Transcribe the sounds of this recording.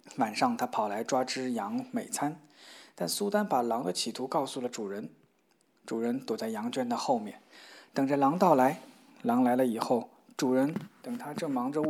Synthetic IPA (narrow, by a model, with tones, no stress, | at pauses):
wa˨˩nʂɑ˥˧ŋt̪ʰa˥pʰɑ˨˩ʊla˧˥ɪʈ͡ʂwa˥ʈ͡ʂɻ̩˥jɑ˧˥ŋme˨˩ɪt͡sʰa˥nt̪a˥˩nsu˥t̪a˥npa˨˩lɑ˧˥ŋd̪ə˧t͡ɕʰi˨˩t̪ʰu˧˥kɑ˥˧ʊsu˥˩lə˩ʈ͡ʂu˨˩ɻə˧˥n | ʈ͡ʂu˨˩ɻə˧˥nt̪wɔ˨˩t͡sa˥˩ɪjɑ˧˥ŋt͡ɕɥɛ˥nd̪ə˨xo˥˧ʊmjɛ̰˥˩nt̪ɤ˨˩ŋʈ͡ʂə˧lɑ˧˥ŋt̪ɑ˥˩ʊla˧˥ɪ | lɑ˧˥ŋla˧˥ɪlə˧i˨˩xo˥˩ʊ | ʈ͡ʂu˨˩ɻə˧˥nt̪ɤ˨˩ŋt̪ʰa˥ʈ͡ʂɤ˥˩ŋmɑ˧˥ŋʈ͡ʂə˧˥